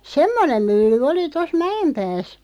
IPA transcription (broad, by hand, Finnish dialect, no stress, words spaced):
semːonem mylːy oli tos mæempæːs